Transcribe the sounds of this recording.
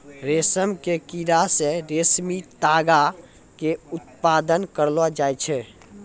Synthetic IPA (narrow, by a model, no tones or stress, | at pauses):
ɾesəmkekiɾasẽɾesmit̪aɡa | keut̪̚pad̪ənkəɾlad͡ʒajt͡ʃʰɛ